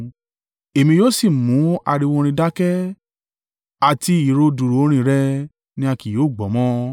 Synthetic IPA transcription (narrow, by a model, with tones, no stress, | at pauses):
e˨mĩ˧joː˦si˦˨mũ˨˦a̰˧ɾi˧wɔ̃˧ɾ̃ĩ˧da˦kɛ˦ | a˨ti˧i˨ɾo˧du˨ɾo˨o˦ɾ̃ĩ˧˨ɾɛ˦ | nĩ˧˦a˧ki˨joː˦˨ɡ͡bɔ˨˦mɔ̃˦